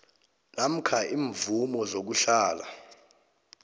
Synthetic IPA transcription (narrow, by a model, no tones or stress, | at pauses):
nam̩kʰaʔiːɱvumɔzok̬uɬaːla